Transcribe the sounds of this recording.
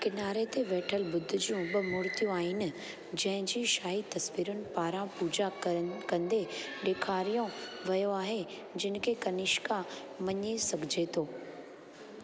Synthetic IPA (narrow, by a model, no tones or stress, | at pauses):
kɪnaːɾet̪eʋeːʈʰəlbʊd̪ʱʊ̆d͡ʑijũbɐmʊɾt̪ijũaːɦɪnɪ̆ | d͡ʑɐ̃ɦɪ̃ɲd͡ʑiːʃaːɦit̪ɐsʋiːɾʊnɪ̆paːɾãpuːd͡ʑakɐ̃nd̪eɗeːkʰaːɾijõʋɐjoaːɦe | d͡ʑɪnɪ̆kʰekɐnɪʃka | mɐɲesɐɡʱɪd͡ʑet̪ʰoː